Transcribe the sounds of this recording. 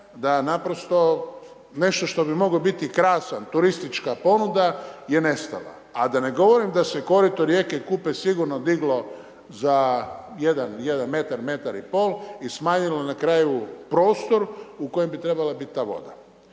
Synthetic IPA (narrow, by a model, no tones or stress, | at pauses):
d̪anapɾost̪o̞ | ne̞ʃt̪o̞ʃt̪o̞bimo̞ɡobit̪ikɾaːsant̪uɾist̪it͡ʃkapo̞nud̪aje̞ne̞st̪a̰la̰ | ad̪ane̞ɡo̞ʋo̞ɾimd̪ase̞ko̞ɾit̪oɾjekekupesiɡuɾnod̪iɡlo̞ | zajed̪anjed̪anme̞t̪aɾme̞t̪aɾipo̞ːlˠismaːɲilo̞nakɾaːjupɾo̞ːst̪o̞ɾuko̞jembit̪ɾebalabit̪̚t̪ːaːʋo̞̰d̪a